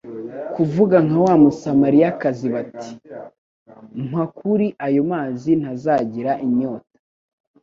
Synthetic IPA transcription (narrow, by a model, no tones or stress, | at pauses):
kuvuɡaŋawaːmusamaɾijakaziβati̥ | makuɾiʔajo̞maːzin̥hazaːɟiɾaʔiɲo̞ːtḁ